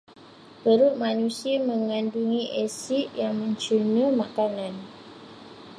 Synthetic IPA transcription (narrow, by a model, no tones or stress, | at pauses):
bəɾuʔmanusiməŋanduŋiʔesiʔjaŋmə̃ɲt͡ʃunəmakanan